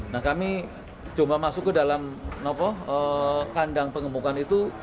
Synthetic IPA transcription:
nahkami | d͡ʒomlamasʊkːədalamnapɔhəkandaŋpəŋəmukanit̪u

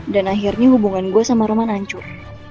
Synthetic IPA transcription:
danaɦirɲahubuŋanɡuasamaɾəmanaɲt͡ʃʊr

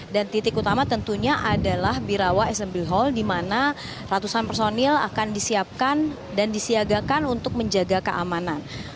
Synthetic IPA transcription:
dant̪it̪ɪkut̪amat̪ənt̪uɲaʔadalahbiɾawaɛsɛmbilɦɔldimana | rat̪usanpərsonila̰kandisiap̚kan | dandisiaɡakanunt̪ʊk̚məɲd͡ʒaɡakəʔamanan

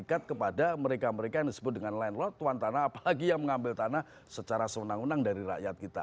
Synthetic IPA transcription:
kat̪̚kəpadaməɾekaməɾekajaŋdisəbʊt̪̚dəŋanlaɪnlɔt̪ːuant̪anaːpalaɡijaŋməŋambɪlt̪anah | sət͡ʃaɾasəwənaŋənaŋdaɾiɾa̰ʔjat̪̚kit̪a̰

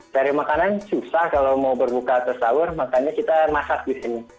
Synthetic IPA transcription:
daɾimakanansusahkalowmaubərbukat̪əsawʊrmakaɲakit̪amasak̚disini

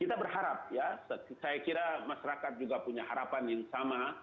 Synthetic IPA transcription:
kit̪abərɦaɾap̚jaskajakiɾamaʃaɾakat̪̚d͡ʒuɡapuɲaɦaɾapanjaŋsama

